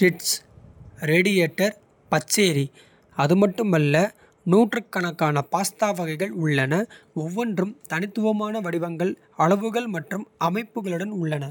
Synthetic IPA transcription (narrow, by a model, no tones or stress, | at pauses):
sɪʈs | ɾeːɽɪjeːʈːɐɾ | pɐt͡ʃːeːɾi | ɐðɯmɐʈːɯmɐlːɐ | nuːʈrɯkːɐɳɐkːaːnɐpaːst̪aːʋɐɣɐɪɣɐɭʊɭːɐnɐɔʋːɔndrɯmt̪ɐnɪt̪ːɯʋɐmaːnɐʋɐɽɪʋɐŋɡɐɭ | ɐɭɐʋɯɣɐɭmɐʈrɯmɐmɐɪpːɯɣɐɭɯɽɐnʊɭːɐnɐ